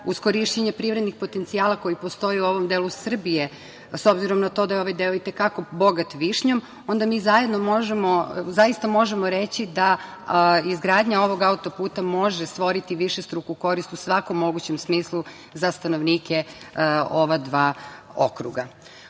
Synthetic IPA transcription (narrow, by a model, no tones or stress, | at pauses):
usko̞ɾiʃt͡ɕeɲepɾiʋɾed̪nixpo̞t̪ent̪siaːlˠakojipo̞st̪o̞jeuo̞ʋo̞md̪eːlˠusr̩bije | so̞bziɾo̞mnat̪o̞d̪ajeo̞ʋajd̪eoit̪e̞kako̞bo̞ɡat̪ʋiʃɲo̞m | o̞nd̪amiːzaje̞d̪nomoʒemo̞zaist̪amo̞ʒemoɾet͡ɕid̪a | izɡɾaːd̪ɲao̞ʋo̞ɡaut̪o̞puːt̪amo̞ʒest̪ʋo̞ɾit̪iʋiʃest̪ɾukuko̞ɾist̪usʋako̞mːo̞ɡut͡ɕe̞msmiːslˠu | zast̪ano̞ʋniːkʰe | o̞ʋad̪ʋaːo̞̰kɾṵɡa